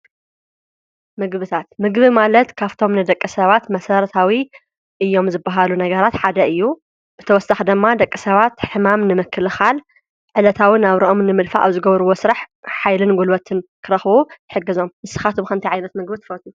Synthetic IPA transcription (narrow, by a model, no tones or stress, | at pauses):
mɨɡβɨt̪ʰat̪mɨɡβimalɐt̪kʰaft̪ʰo̞mnɨd̪ɐkʼːɨsɐβat̪mɐsɐɾt̪ʰawi | ʔɨjːo̞mzɨbːaɦalunɐɡɐɾat̪ħad̪ɐʔɨjːu | b̥ɨt̪ʰɐwɔsːaxd̪ɨmːad̪ɐkʼːɨsɐβat̪ħɨmamnɨmɨkʰːɨlɨxal | ʕɨlɐt̪ʰawinaβɾɐʔomnɨmɨlfa̰ʔa̰βzɨɡɐβɾɨwo̞sɨɾaħħajlɨnɡulwɐt̪ʰɨnkʰɨɾɐxβut̪ɨħɨɡːɨzo̞mːɨsɨ̥xat̪ʰomkʰɐmnt̪iʕajnɐt̪mɨɡbɨt̪ʰɨ̥fɐt̪ʰu